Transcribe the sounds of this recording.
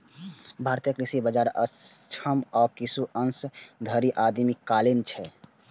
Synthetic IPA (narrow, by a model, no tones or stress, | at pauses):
bʱaɾt̪jəkɾisibəd͡ʒaɾət͡ʃʰəmɔːkisuʔənsd̪ʱəɾiʔad̪mikːalint͡ʃʰɛ